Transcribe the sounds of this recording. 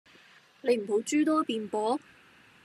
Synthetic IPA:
ne˨˧jm̩˨˩ho˨˥wt͡ʃyː˥t̪ɔː˥piː˨npɔː˨˥

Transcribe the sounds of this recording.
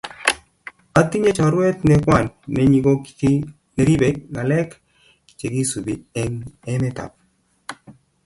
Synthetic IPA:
a˨t̪i˦ɲe˦t͡ʃa˨ɾwɛ˦t̪nɛ˦kwa˦˨nːɛ˦ɲi˨ɡo˦kkɪ˦ | e˦ɾi˦be˨ŋa˨lɛ˦k | t͡ʃe˨ɡi˦su˨bi˨ɛ˦nɛ˦mɛ˦t̪a̰˨p̚

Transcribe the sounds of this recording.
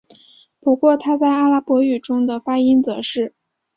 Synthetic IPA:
pu˧˥kwɔ˥˧t̪ʰa˥t͡sa˥˩ɪa˥la˥pwɔ˧˥y˨˩ʈ͡ʂʊ˥ŋd̪ə˨fa˥i˥nt͡sɤ˧˥ʂɻ̩˥˩

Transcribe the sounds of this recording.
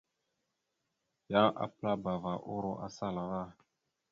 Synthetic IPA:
jã˦ʔa̰˨pla˦ba˨va˨ʔo˦ɾo˦ʔa̰˨sa˦la˨ɣa˦

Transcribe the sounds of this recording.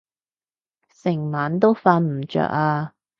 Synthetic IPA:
sɪ˨˩ŋmaː˨˥nt̪o˥wfaː˧nm̩˨˩t͡ʃœ̰ː˧˩k̚aː˧

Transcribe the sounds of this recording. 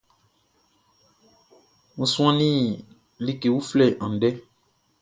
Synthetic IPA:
ŋũ˨sũ˦ã˦nĩ˦ | li˦ke˨wu˦flɛ˦˨ʔã˨n˨ɖɛ˦

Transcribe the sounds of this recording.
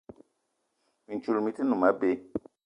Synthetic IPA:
mi˨n˨t͡ʃu˦˨lmi˦ti˦nũ˨ma˦be˦

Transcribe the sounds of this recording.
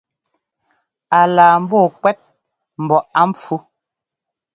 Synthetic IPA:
a˨laː˨m̩˦bɔː˦˨kwɛ˦t̚ | m̩˨bɔ˨ʔa˦m̩p͡fu˦

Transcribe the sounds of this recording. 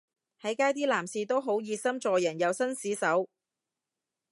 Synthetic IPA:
hɐ˨˥jkaː˥jt̪iː˥laː˨˩msiː˨˧t̪o˥wɦo˨˥wjiː˧sɐ˥mt͡sɔː˨jɐ˨˩njɐ˨˧wsɐ˥nsiː˨˥sɐ˨˥w

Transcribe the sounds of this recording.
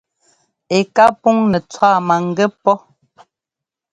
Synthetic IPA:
e˨ka˦pu˦ŋnɛ˨t͡swa˦˨ma˨ŋ̩˨ɡɛ˦pɔ˦

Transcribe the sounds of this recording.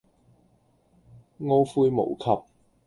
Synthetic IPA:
ŋo˥wfuː˧jmo̰˨˩wkʰɐ˨p̚

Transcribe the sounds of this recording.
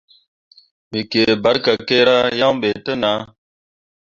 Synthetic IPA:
mi˨ke˨ba˦ɾka˨ke˦ɾa˦ja˦ŋɓe˨tə˦na˨˦

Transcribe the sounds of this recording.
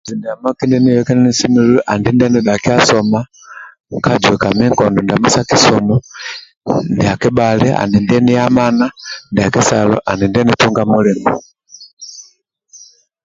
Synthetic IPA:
zi˨ndi˨a˨ma˦ki˦ndɛni˦jɛkɛ˦nɛ˦ni˦si˦mi˦lu˦ʔa˨ndindɛ˦ni˨ɗa˨ki˦a˦sɔma˦ | ka˦d͡ʒwɛ˨ka˨mɛ˦ŋkɔndɔ˨ndi˨a˨mu˦sa˦ki˦sɔmɔ | ndia˨ki˦balɛ˦ʔa̰˨ni˨ndɛni˦a˦ma˦na˦ndi˨a˨ki˦salɔ̰˦ʔa˨ni˨ndɛ˦nitu˦ŋɡamu˦lɛ˨mu

